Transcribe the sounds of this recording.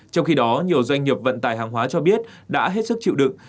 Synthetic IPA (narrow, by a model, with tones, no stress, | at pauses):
t͡ɕɔ˧wŋ͡mxi˧ɗɔ˨˦ɲi˨˩əwzwa˧jŋ̟ɲi˨˩əp̚və̰˧˨nt̪aː˨˩jhaː˨˩ŋɦwaː˨˦t͡ɕɔ˧ɓi˦˥ət̚ɗa̰ː˧˥ɦe˦˥t̚sɨ˦˥k̚t͡ɕḭ˧˨wɗɨ̰˧˨ŋ